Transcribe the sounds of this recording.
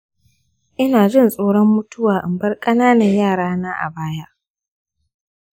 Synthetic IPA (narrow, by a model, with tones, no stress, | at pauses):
ʔɪ˦naː˨d͡ʒɪ˦˨nsʼoː˦ɽɔ˦mːʊ˦tʊ˦waː˨ʔɪ̰˨mbɐ˦rkʼɐ˦naː˦nɐ˨ɲjaː˦˨ɽaː˦naː˦ʔa̰˨baː˦ja˦ʔ